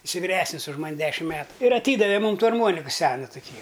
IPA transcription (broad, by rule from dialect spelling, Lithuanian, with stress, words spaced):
ˈɪsɐɪ ʋʲɪˈrʲæːsʲnʲɪs ʊʃ ˈmɐnʲ ˈdʲæːʃʲɪm ˈmʲæːtʊ ɪr ɐˈtʲiːdɐʋʲɛ ˈmuːm ˈtuː ɐrˈmuɔnʲɪkʊ ˈsʲæːnʊ tʊˈkʲiː